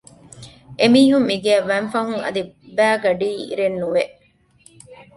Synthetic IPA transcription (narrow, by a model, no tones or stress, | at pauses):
ʔemiːɦumːiɡeɐʋænfɐɦuŋɐ̰d̪i | bæːɡɐɖiːḭɾenːuʋeʔ